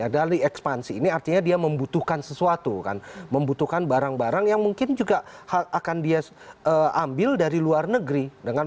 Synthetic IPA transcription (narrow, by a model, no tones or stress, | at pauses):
jadaliɛkspansiːniart̪iɲadiaməmbut̪uhkansəsuat̪uka̰nməmbut̪uhkanbaɾaŋbaɾaŋjaŋmuŋkɪnd͡ʒuɡahaʔakandia | əːambɪldaɾiluarnəɡɾidəŋan